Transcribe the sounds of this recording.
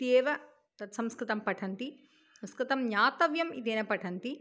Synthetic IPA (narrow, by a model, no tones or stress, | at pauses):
t̪eːʋɐ | t̪ɐt̪sɐmskɾɪt̪ɐmpɐʈʰɐnt̪i | sɐmskɾɨt̪ɐmɲaːt̪ɐʋjɐmit̪eːnɐpɐʈʰɐnt̪i